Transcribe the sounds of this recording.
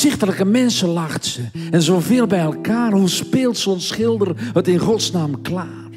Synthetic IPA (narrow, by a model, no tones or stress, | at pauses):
z̥ɪxtələkəmɛnsəlaχtsəɛnzoːveːlˠbɛjɛlˠkaːrhuspɪːlˠtsɔnsχɪlˠdərətɪnχɔtsnaːmklaː